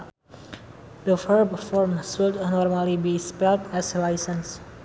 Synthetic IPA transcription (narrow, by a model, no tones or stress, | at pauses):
d̪əfəɹbfɔɾmswɪldnɔɾmalibispɛlʈʰɛzlaɪsə̃ns